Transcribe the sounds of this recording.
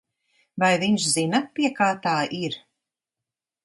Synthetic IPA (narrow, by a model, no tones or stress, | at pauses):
vajviɲʃzinɐpiɛkaːt̪aːʔiɾ